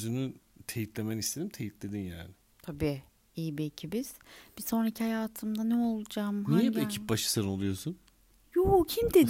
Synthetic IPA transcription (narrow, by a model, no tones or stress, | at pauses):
øzynyt̪ʰe̞jit̪lʲe̞menist̪ʰe̞d̪imt̪ʰejit̪lʲe̞d̪inja̰ːnɪ | t̪ʰabiː | ijibiecʰibiz̥b̥iso̞nɾacʰihajaːt̪ʰɯmd̪anɛo̞lˠud͡ʒamnijɛbiecʰip̚baʃɯ̥saɾɯno̞lˠujo̞sun | joːcʰimd̪e